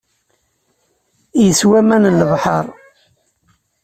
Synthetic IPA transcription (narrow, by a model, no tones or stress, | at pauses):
jəswæmænləvħəɾˤ